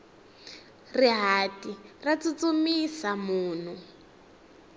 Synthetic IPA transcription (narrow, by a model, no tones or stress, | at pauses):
riɦatʼirat͡sut͡sumisamuːn̤u